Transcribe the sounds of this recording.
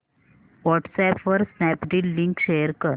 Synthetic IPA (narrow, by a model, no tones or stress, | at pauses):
ʋɔʈsɛpʋəɾsnɛpɖilːĩŋkʃejəɾkəɾ